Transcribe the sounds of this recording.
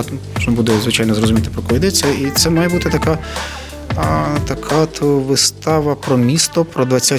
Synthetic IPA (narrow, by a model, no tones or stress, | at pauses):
ɔʒnɔbud̪ɛzʋɪt͡ʃɑjnɔzrɔzʊmʲit̪ɪ̥pɾɔkɔʋʲid̪ɛt͡sʲːɐit̪sɛmɑjɛbut̪ɪt̪ɐka | t̪ɐkʰat̪ʋɪst̪ɑʋɐpɾɔmʲist̪ɔpɾɔd̪ʋɐt͡sʲːa